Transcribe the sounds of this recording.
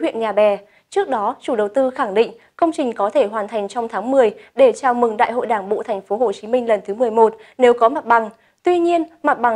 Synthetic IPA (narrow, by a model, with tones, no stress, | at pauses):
wḭ˧˨ənɲaː˨˩ɓɛ˨˩ | t͡ɕɨ˦˥ək̚ɗɔ˨˦t͡ɕu˧˩ɗə˨˩wt̪ɨ˧xa˧˩ŋɗḭ˧˨ŋ̟ | kə˧wŋ͡mt͡ɕï˨˩ŋ̟kɔ˨˦t̪ʰe˧˩ɦwaː˨˩nt̪ʰa˨˩jŋ̟t͡ɕɔ˧wŋ͡mt̪ʰaː˨˦ŋmɨ˨˩əjɗe˧˩t͡ɕaː˧˩wmɨ˨˩ŋɗa̰ː˧˨jɦo̰˧˨jɗaː˧˩ŋɓo̰˧˨t̪ʰɛ˨˩jŋ̟fo˨˦ɦo˨˩t͡ɕi˨˦mï˧ŋ̟lə˨˩nt̪ʰɨ˨˦mɨ˨˩əjmo˨˩t̚ | ne˨˦wkɔ˨˦ma˨˩t̚ɓa˨˩ŋ | t̪wi˧ɲi˧ənma˨˩t̚ɓa˨˩